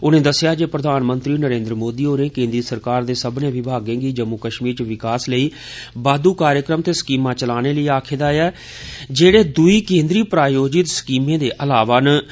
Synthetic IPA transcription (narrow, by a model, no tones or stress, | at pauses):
ʊnẽːd̪əsːjaːd͡ʒeːpɾəd̪ʱaːnmənt̪ɾiːnəɾẽːnd̪ɾəmoːd̪iːoːnẽːkẽːnd̪ɾiːsəɾkaːɾd̪eːsəbnẽːʋɪbʱaːɡẽːɡiːd͡ʒəmːukəʃmiːɾt͡ʃʋɪkaːsləiː | baːd̪uːkaːɾjəkɾəmt̪eːskiːmãːt͡ʃəlaːneːləiːaːkʰeːd̪aːjaː | d͡ʒeːɽeːd̪ʊiːkẽːnd̪ɾiːpɾaːjoːd͡ʒɪt̪skiːmẽːd̪eːʔəlaːʋaːn